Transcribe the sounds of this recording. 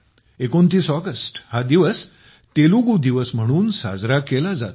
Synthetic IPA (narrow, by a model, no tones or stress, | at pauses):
ekont̪iːsɔɡəsʈhad̪iʋəs | t̪eluɡud̪iʋəsm̤əɽ̃uːnsa̰d͡zɾakelad͡za̰t̪